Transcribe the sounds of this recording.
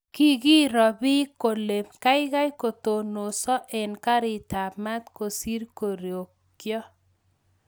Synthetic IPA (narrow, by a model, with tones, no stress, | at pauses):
ki˦ɡi˦ɾɔ˨bɪ˦ko˨le˨mka˦jɣa˦jko˨t̪o˨no˨sɔ˦ʔe˨nka˦ɾɪ˨ta˨ma˦t̪ko˨si˦ɾko˨ɾjo˨k | kjɔ˦